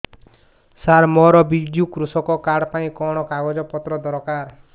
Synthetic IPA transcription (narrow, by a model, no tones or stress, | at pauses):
saɾmɔɾɔbid͡ʒjukɾusɔkɔkaɽpaĩkɔɽ̃ɔkaɡɔd͡ʒɔpɔt̪ɾɔd̪ɔɾɔkaɾ